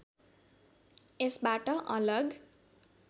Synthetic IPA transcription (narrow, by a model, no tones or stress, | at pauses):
esbaʈʌʔʌlʌɡ